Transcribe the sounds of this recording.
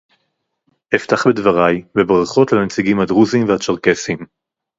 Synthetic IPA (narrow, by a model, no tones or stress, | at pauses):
eft̪aχbedvaʁajbebʁaχo̞tlamet͡siɡimhadʁuzimveat͡ʃaʁkesim